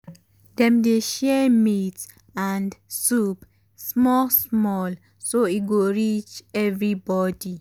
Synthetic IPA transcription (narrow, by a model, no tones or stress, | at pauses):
dɛ̃mdeʃɛmit | ãndsup | smɔlsmɔl | soit̚ɡoɹit͡ʃɛvɹibɔdi